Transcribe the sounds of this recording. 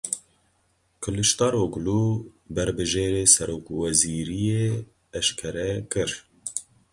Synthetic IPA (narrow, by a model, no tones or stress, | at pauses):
kʰɨlɨʃt̪ɑːɾoːɡluːbɛɾbɨʒeːɾeːsɛɾoːkwɛziːɾije | ɛʃkʰɛɾɛkɨɾ